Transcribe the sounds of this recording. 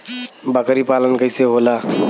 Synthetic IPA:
bəkɾipaːlənkəɪseɦolaː

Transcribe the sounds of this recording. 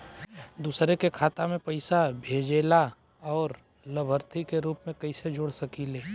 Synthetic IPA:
d̪uːsɾekekʰaːt̪amẽpɐɪsabʱeːd͡ʒeːla | ɔːɾ | ləbʱəɾt̪ʰikeɾuːpmẽkɐɪsed͡ʒoːɽsɐkileː

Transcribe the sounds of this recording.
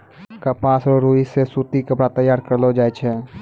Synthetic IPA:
kəpaːsɔɾuːisesuːt̪ikəpɽat̪əjaːɾkəɾlod͡ʒaːet͡ʃʰɛ

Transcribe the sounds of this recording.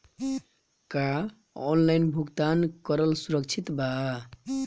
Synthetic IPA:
ka | ɔnlajnbʱuɡt̪ankʌɾəlsuɾəkt͡ʃʰit̪ba

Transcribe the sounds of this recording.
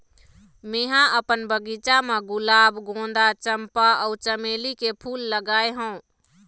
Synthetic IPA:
meɦãʔəpənbəɡit͡ʃameɡulaːbɡõn̆d̪at͡ʃəmpaəut͡ʃəmelikepʰulːəɡaːeɦə̃ũ

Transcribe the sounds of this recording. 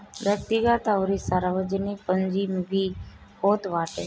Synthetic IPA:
ʋjək̚t̪iɡat̪awɾisaɾaʋəd͡ʑənipəɲd͡ʑimʋi | hot̪ʋaʈḛ

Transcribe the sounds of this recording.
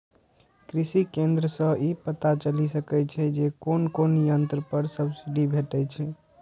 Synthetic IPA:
kɾisikẽnd̪ɾəsə̃ʔipət̪at͡ʃəlisəkɛt͡ʃʰɛd͡ʒekonkonijənt̪ɾəpəɾsəbsiɖibʱeʈɛt͡ʃʰɛ

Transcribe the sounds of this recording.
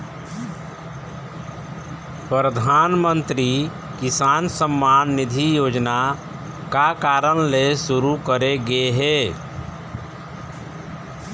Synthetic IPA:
pɾɾəd̪ʱaːnmənt̪ɾi | kɪsaːnsəmːaːnːɪd̪ʱijoːd͡ʒna | kakaːɾənlesʊɾukəɾeɡeɦeː

